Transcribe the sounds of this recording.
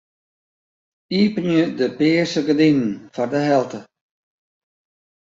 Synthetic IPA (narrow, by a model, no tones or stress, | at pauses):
iːpənjədəpɪːəsəɡədinnfɔrdəɦɛlˠtə